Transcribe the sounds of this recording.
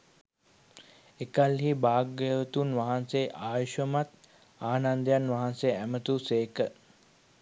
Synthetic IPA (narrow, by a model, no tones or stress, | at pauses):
ekalɦibaːɡəʋət̪unʋaɦanseʔaːʋiʃəmat̪ | aːnand̪əjanʋaɦanseæmət̪useːkə